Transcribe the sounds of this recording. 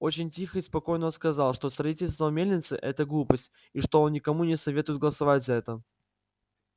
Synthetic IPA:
o̞t͡ɕɪnʲtʲixəispɐko̞jnəonskɐzɑlˠʂt̪o̞st̪ɾɐitʲɪlʲst̪vəmʲelʲnʲɪt̪sɨ̰ʔɛt̪əɡlˠupəsʲtʲ | iʂt̪o̞onnʲɪkɐmunʲɪsɐvʲe̞t̪ʊjɪd̪̚ɡəlˠəsɐvatʲzɐɛt̪ə

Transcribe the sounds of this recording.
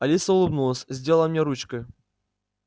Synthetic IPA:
ɐlʲisɐulˠɨbnulˠəsʲzʲdʲelˠəlˠɐmnʲɛɾut͡ɕkəj

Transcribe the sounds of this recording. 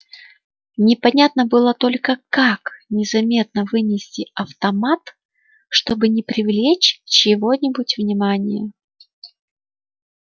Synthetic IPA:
nʲɪpɐnʲat̪nəbɨlˠət̪o̞lʲkəkaknʲɪzɐmʲe̞t̪̚nəvɨnʲɪsʲtʲɪɐft̪ɐmat̪ | ʂt̪o̞bɨnʲɪpɾʲɪvlʲet͡ɕt͡ɕɪvo̞nʲɪbʊtʲvnʲɪmanʲɪjə

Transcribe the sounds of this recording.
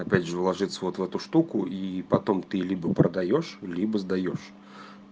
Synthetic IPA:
apʲadʐəvlˠaʐɨt̪sːɐvɔt̪wɦɛt̪uʂt̪ukuipat̪ɔmt̪ɨlʲibɐpɾɐd̪ajɔʂlʲibɐzd̪ajɔʂ

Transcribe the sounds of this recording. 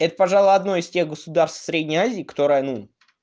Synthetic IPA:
ɛt̪ə̥pɐʐalˠʊɐd̪no̞ɪstʲe̞ɣɡəsʊd̪arst̪fsɾʲedʲnʲɪjazʲɪːkɐ̥t̪o̞ɾəjənu

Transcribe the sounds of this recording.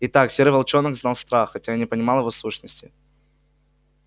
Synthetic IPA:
ɪt̪aksʲeɾɨvɐlˠt͡ɕo̞nɨkznalˠst̪ɾaxːɐtʲajanʲɪpənʲɪmalˠjɪvo̞suʂnəsʲtʲɪ

